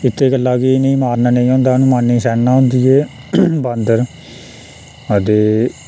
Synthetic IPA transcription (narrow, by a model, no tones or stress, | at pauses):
ɪt̪ʰːeːɡəlːaːkinĩːmaːɾnaːnẽĩːɦõːnd̪aːnũːmaːnːĩːsɛːnãːʊ̃nd̪iːɛː | band̪əɾ | əd̪eː